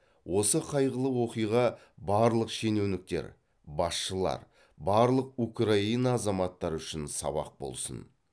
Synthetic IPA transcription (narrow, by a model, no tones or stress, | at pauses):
wo̞səqʰɑjʁəlˠəwo̞qijʁɑ | bɑɾlˠəqʃe̞newnɪk̚t̪e̞̰ɾ | bɑsʃəlˠɑ̰ɾ | bɑɾlˠəq̚ukrainɑːzɑmɑt̪ːɑɾʏʃɪnsɑ̰βɑ̰q̚bo̞̰lˠsə̰n